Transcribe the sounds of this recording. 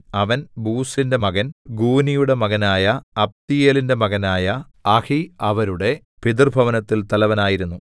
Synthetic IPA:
ɐʋɐnbuːsinde̞mɐɣɐnɡuːnijuɽe̞mɐɣɐnaːjɐɐp̚t̪ijeːlinde̞mɐɣɐnaːjɐɐhiɐʋɐɾuɽe̞ | pid̪irbʱɐʋɐnɐt̪ːilt̪ɐlɐʋɐnaːjiɾunːu

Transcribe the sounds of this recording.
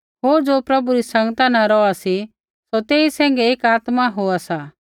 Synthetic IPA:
ɦoːɾd͡ʒoːpɾɐbuɾisɐ̃ŋɡt̪anãɾɔasi | sot̪eːisɛ̃ːŋ̆ɡeeːkaːt̪maɦoasa

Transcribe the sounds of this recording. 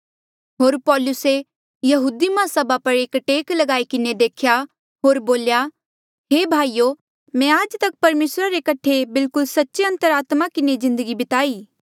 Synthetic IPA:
ɦoːɾpɔːlʊse | jɐɦuːd̪imãsɐbapɐɾeːkʈeːklɐɡaːikɪned̪eːkʰja | ɦoːɾboːlja | ɦeːbʱaːijo | mɛ̃aːd͡ʒt̪ɐk̚pɐɾmeːsɾaɾekɐʈʰebɪlkʊlsɐtːʃeɐ̃nt̪əɾaːt̪makɪnezɪ̃nd̪əɡibɪt̪aːiː

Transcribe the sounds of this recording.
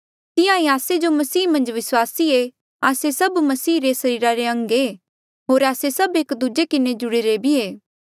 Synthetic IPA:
t̪ɪjãiaːsed͡ʒomɐsiːmɐ̃nd͡ʒʋɪswaːsie | aːsesɐbmɐsiːɾesɐɾiːɾaɾeɐ̃ŋɡe | ɦoːɾaːsesɐbeːkd̪ʊd͡ʒekɪned͡ʒʊɽeɾebʱieː

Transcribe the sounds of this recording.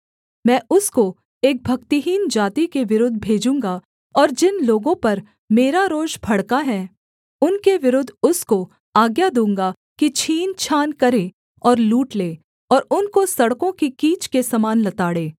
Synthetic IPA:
mɛ̃ːʊsko | eːk̚bʱɐkt̪iɦiːnd͡ʒaːt̪ikeʋɪɾʊd̪ʱbʱeːd͡ʒũːŋɡa | ɔːɾd͡ʒɪnloːɡõpɐɾ | meːɾaɾoːd͡ʒbʱɐɽkaɦɛ | ʊnkeʋɪɾʊd̪ʱʊsko | aːɡjad̪ũːŋɡa | kit͡ʃʰiːnt͡ʃʰaːnkɐɾẽː | ɔːɾluːʈleː | ɔːɾʊnkosɐɽkõkikiːt͡ʃkesɐmaːnlɐt̪aːɽeː

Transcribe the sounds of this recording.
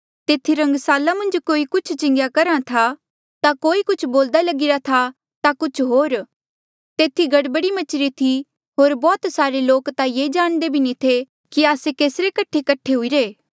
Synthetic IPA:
t̪eːt̪ʰiɾɐ̃ŋɡsaːlamɐ̃nd͡ʒkoːikʊt͡ʃʰt͡ʃɪ̃ŋɡjakɐɾãt̪ʰa | t̪akoːikʊt͡ʃʰboːld̪alɐɡɪɾat̪ʰa | t̪akʊt͡ʃʰɦoːɾ | t̪eːt̪ʰiɡɐɽbəɽimɐt͡ʃʰɾit̪ʰi | ɦoːɾbɔːt̪saːɾeloːkt̪ajeːd͡ʒaːɽ̃d̪ebʱinit̪ʰe | kiaːsekeːsɾekɐʈʰekɐʈʰːeɦuiɾeː

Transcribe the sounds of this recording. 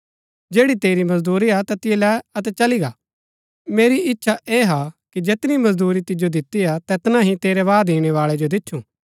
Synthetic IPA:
d͡ʒeːɽit̪eːɾimɐzd̪uːɾiat̪ɐt̪ɪjelɛːɐt̪ɛt͡ʃɐliɡaː | meːɾiʔɪtːʃʰaʔeːɦakid͡ʒet̪nimɐzd̪uːɾit̪ɪd͡ʒod̪ɪt̪ːiat̪ɛːt̪nãɦĩt̪eːɾɛʋaːd̪iːɽ̃ɛʋaːɭɛd͡ʒod̪ɪtːʃʰũ

